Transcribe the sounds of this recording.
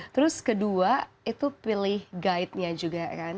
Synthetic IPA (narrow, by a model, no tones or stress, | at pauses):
t̪əɾʊskədua | it̪upilɪhɡaɪt̪̚ɲad͡ʒuɡakan